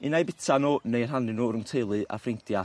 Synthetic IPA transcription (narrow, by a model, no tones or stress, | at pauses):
inajbɪtʰanonejr̥ɦanɨnuɾəmtʰejlˠɨʔa̰frɪntja